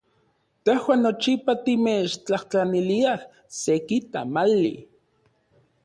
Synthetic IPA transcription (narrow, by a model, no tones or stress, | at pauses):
t̪ehwaːnːot͡ʃipat̪imet͡ʃt͡ɬaht͡ɬaniliah | sekit̪a̰malːḭ